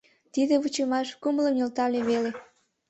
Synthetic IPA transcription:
t̪id̪eβut͡ɕemɑʃkumləmjolt̪ɑlʲeβele

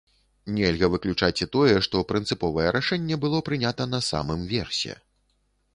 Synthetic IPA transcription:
nʲɛlʲɣɐvɨklʲut͡ʂat͡sʲit̪ɔjɛʂt̪ɔpɾɨnt̪sɨpɔvɐjɛɾaʂɛnʲːɛbɨlˠɔpɾɨnʲat̪ɐn̪ɐsa̰mɨmvʲɛrsʲɛ̰

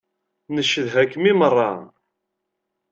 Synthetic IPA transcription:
nəʃːəðɦækːmimərˤːɑ̰

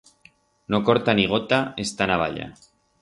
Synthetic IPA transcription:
nokoɾt̪aniɣ̞ot̪aest̪anaβ̞a̰ʎa̰

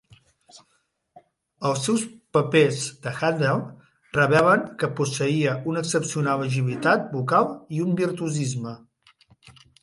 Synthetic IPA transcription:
əlˠsɛwspəpezd̪əxand̪ɛlˠ | rəβ̞ɛləŋkəpusəiəunəksəpsiunaləʒiβ̞it̪at̪̚bukalˠiumbiɾt̪uzizmə

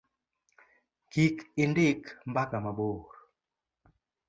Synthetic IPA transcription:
kikɪndɪkmbakamaɓoːɾ

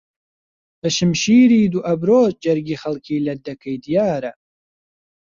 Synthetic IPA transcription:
bɐʃɨmʃiːɾiːd̪uʔɐbɾoːd͡ʒɐɾɡiːxɐlˠkʰiːlɐd̪ɐkʰɐjd̪ijaːɾɐ

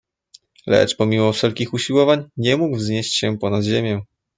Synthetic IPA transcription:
lɛ̰t͡ʂpɔmʲimɔfʂɛlkʲixuɕiwɔvaɲɲɛmuɡvzɲeɕt͡ɕɕɛpɔnad̪ʑemʲjɛ̃

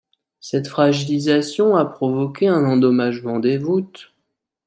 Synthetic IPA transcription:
sɛt̪fχaʒilizasjɔ̃apχɔvɔkʲeɛ̃nɑ̃d̪ɔmaʒmɑ̃d̪evut̪

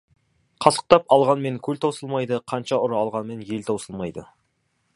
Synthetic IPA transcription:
qʰɑsə̥q̚t̪ɑpɑlˠʁɑnme̞ŋkʲʰɵlt̪ʰowsəlˠmɑjd̪əqʰɑnʃɑʊɾɑlˠʁɑnme̞nje̞lt̪ʰowsəlˠmɑjd̪ə

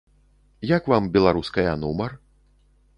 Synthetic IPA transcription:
jakvambʲɛlˠaɾuskɐjɐnumɐr

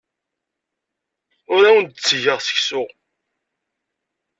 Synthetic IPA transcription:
ʊɾæwənd̪̚t͡sːʝəʁsə̥çsʊ

